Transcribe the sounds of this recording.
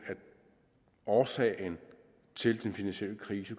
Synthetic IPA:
æ̥ | ɒːsɛ̰ːn | t͡sʰe̝ld̥enfinænsɕiel̰əkʰʁiːsə

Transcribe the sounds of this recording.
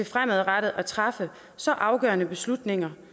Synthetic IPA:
e̝fʁaməð̞̩ˠʁad̥ð̩ˠʔæt͡sʰʁɑfə | sɒ̽ʔɑ̈ʊɡ̥ɶ̰ːɐnəb̥e̝slud̥ne̝ŋɐ

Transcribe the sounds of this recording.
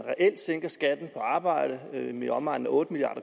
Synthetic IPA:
nʁɛʔel̰d̥seŋ̰ɡ̥ɐsɡ̥æd̥n̩pʰɒ̽ɑ̈ːb̥ɑ̈ɪ̰d̥əmeɒ̽mɑ̈ɪ̰n̩ɔ̽ːd̥əmiliɑ̰̈ːd̥ɐ

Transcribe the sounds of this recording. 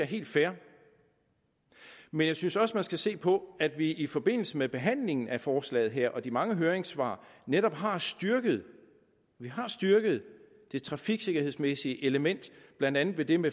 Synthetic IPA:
æɐɦe̝̰ːld̥fæɐ | menjɑ̈ɪsynsɒ̽səmænsɡ̥æse̝̰ːpʰɒ̽æd̥ʋiifɒ̽b̥e̝n̰l̩səmeb̥e̝ɦæn̰le̝ŋn̩æfɒːslɛ̰ːð̩ˠɦeɐ̰ʔɒ̽d̥imɑ̈ŋəɦøːɐeŋsʋɑ̰̈ːneɾɒ̽b̥ɦɑ̈sd̥yɐɡ̥əð̩ˠ | ʋiɦɑ̈sd̥yɐɡ̥əð̞̩ˠ | d̥e̝t͡sʰʁɑ̈fiɡ̥se̝ɡ̥ɐheðˠsmesiəʔe̝ləmen̰d̥b̥lænd̥ænð̩ˠʋe̝d̥e̝me

